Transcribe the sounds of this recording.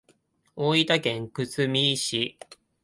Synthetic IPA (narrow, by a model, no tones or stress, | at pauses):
oːit̪akẽ̞ŋkɯ̟t͡sɨmʲiːɕi